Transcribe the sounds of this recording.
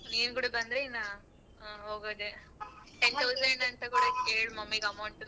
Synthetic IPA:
niːnɡuːɽebɐnd̪ɾeinːa | ɦoːɡoːd̪e | ʈent̪ʰɐwzeɳɐnt̪ɐkuɽɐkeːɭmɐmːiɡɐmɐwɳʈ

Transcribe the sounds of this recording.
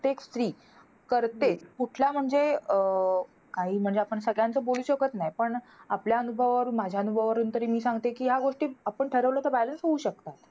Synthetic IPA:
ekst̪ɾiː | kəɾt̪et͡skuʈʰlam̤əɳd͡ze | kaɦiːm̤əɳd͡zeapəɳsəɡɭjant͡səboluːɕəkət̪najpəɳ | apljaənubʱəʋʋəɾuːnmad͡ʑʱjaənubʱəʋʋəɾuːnt̪əɾiːmiːsãŋɡt̪ekiːɦjaɡoʂʈiːapəɳʈʰəɾəʋlət̪əbælənsɦouɕək̚t̪at̪

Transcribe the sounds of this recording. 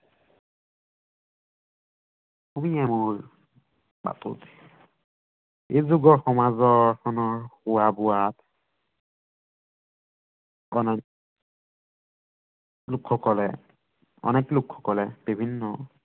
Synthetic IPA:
umiɛmuɹ | ba̰tṵt | ezuɡɔɹxɔmazɔɹkʰɔnɔɹxuwabʊwat | ɔnɛ | lukʰːɔkɔlɛ̰ | ɔ̰nɛklukʰːɔ̥kɔlɛb̥ibʱinːɔ

